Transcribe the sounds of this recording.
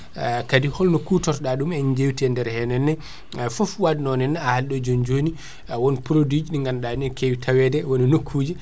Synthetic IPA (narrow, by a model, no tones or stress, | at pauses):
kadihɔlnɔkuːtɔɾtɗaɗumɛnd͡ʒewtiɛndɛɾhɛnɛnːɛ | fofwadinɔnɛnːaahalɗɔd͡ʒond͡ʒoni | wɔnpɾodid͡ʒiɗiŋɡanɗainɔkʰewitʰawɛdɛwɔninokʰːuːd͡ʒi